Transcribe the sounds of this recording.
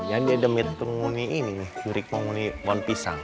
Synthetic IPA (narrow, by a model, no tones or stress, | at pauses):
jaŋdiadəmit̪ːəŋuniininɪht͡ʃuɾɪk̚maŋuniwanpisa̰ŋ